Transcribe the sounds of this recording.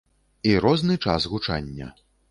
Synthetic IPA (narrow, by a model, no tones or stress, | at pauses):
iɾɔznɨt͡ʂa̰sɣut͡ʂa̰nʲːɐ̰